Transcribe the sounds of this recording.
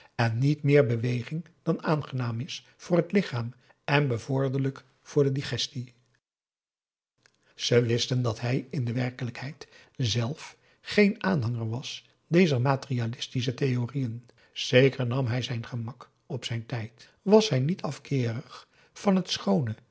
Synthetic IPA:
ɛnːitmɪːɹbəʋejχɪŋ | d̥ɑnaːnχənaːmɪs | fʊːɹɦətlɪχaːm | ʔɛnbəvʊɹdələk | fʊːɹdədiχɛsti | z̥əʋɪstəndɑtɦɛjɪndəʋɛɹkələkɦɛjtzɛlˠf | χejnaːnɦɑŋəɹʋɑs | d̥ejzəɹmaːtərialɪstis̬ətejorijən | z̥ejkəɹnɑmɦɛjzɛjnχəmɑk | ɔpsɛjntɛjt | ʋɑsɦɛjnitʰɑfkɪːrəχ | fɑnɦətsχownə

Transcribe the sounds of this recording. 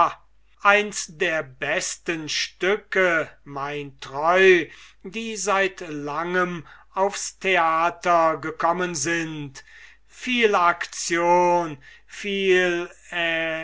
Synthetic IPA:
ʔaɪnsdeːɐbɛstənʃtʏkəmaɪntʁɔʏdiːzaɪtlaŋəm | aʊfstʰeaːtɐɡəkʰɔmənzɪnt | fiːlakt͡sjoːn | fiːlɛ

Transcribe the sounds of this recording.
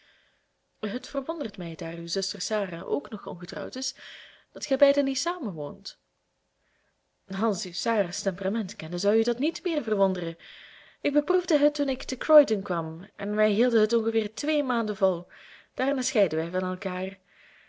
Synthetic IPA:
ɦətfərʋɔndərtmɛjdaːrywzɵstərsaːraːʔo̰ːknɔxɔ̰nɣətrɑ̰wtɪsd̥ɑtxɛjbɛjdənitsaːməʋo̰ːnt | ɑlˠsywsaːɾaːstɛmpəramɛntkɛnəzɑwydɑtnitmɪːrvərʋɔndərə | ɪɡ̚bəpruvdəɦətːunɪktəkrɔjdənkʋɑmʔɛ̰nʋɛjɦilˠdəɦətɔnɣəvɪːrtʋeːmaːndəvɑlˠd̥aːrnaːsxɛjdəʋɛjvɑnɛlˠkaːr

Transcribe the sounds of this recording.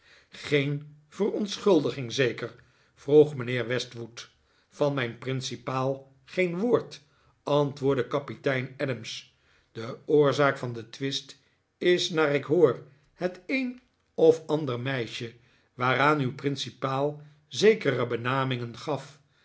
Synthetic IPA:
χejn | v̥ərɔntsχɵlˠdəχɪŋzejkər | v̥ruχmənɪːɹʋɛstʋut | fɑnmɛjnprɪnsipaːlˠ | χejnʋʊːɹt | ɑntʋʊːɹdəkɑpitɛjnɛdəms | dəʊːɹzaːkfɑndətʋɪst | ɪsnaːrɪkɦʊːr | hətejn | ɔfɑndərmɛjʃə | ʋaːɾaːnywprɪnsipaːlˠ | zejkərəbənaːmɪŋənχɑf

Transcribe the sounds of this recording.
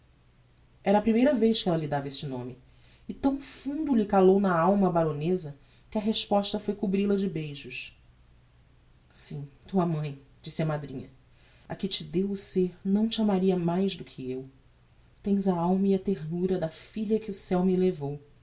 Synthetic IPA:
ɛɾɐːpɾimejɾɐvejʃkɪɛlɐlid̪avɐest͡ʃɪnõ̰mɪ | ɪt̪ɐ̃w̃fũnd̪ulɪkalownɐawmɐbaɾõnezɐ | kɪɐɦeʃpɔʃt̪ɐfojkubɾilɐd͡ʒɪbejʒʊʃ | sĩt̪uɐmɐ̃j̃d͡ʒisɪɐmad̪ɾĩɲɐ | ɐkɪt͡ʃɪd̪ewʊseɾnɐ̃w̃t͡ʃɪamaɾiɐmajʒd̪ʊkʰɪew | t̪ẽj̃zɐawmɐiɐt̪eɦnuɾɐd̪ɐfiʎɐkɪʊsɛwmilevow

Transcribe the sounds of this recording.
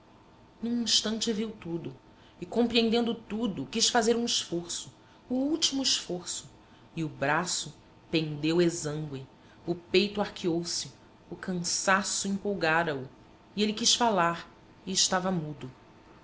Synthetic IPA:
nũĩʃt̪ɐ̃nt͡ʃɪviwt̪ud̪ʊ | ɪkõpɾiẽnd̪ẽnd̪ʊt̪ud̪ʊkiʃfazeɾũɪʃfoɾsʊː | uwt͡ʃimʊɪʃfoɾsʊ | ɪʊbɾasʊ | pẽnd̪ewezɐ̃ŋɡwɪ | ʊpejt̪ʊahkʰiowsɪ | ʊkʰɐ̃sasʊĩmpowɡaɾɐʊ | ielɪkiʃfalaɾ | iɪʃt̪avɐmud̪ʊ

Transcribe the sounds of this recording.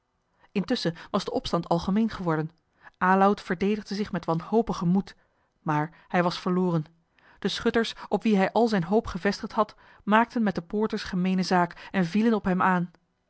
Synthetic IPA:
ɪntʏsəʋɑzdəʔɔpstɑntɑlˠχəmejnχəʋɔɹdən | ʔaːlawtfəɹdejdəχdəzɪχmɛtʋɑnɦowpəχəmut | maːɹ | hɛjʋɑsfəɹlʊːrən | d̥əsχɵtəɹsʔɔpʋiɦɛjʔɑlˠzɛjnɦowpχəvɛstəχtɦɑt | maːk̚tənmɛt̚dəpʊːɹtəɹsχəmejnəzaːkɛnvilənɔpɦɛmaːn

